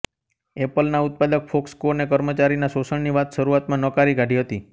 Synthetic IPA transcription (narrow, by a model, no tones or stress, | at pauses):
epəlnaʊt̪̚pad̪ək̚fokskoɾnekəɾmət͡ʃaɾinasosəɳniʋat̪ʃəɾuat̪mãnəkaɾiɡʱaɖʱiɦət̪i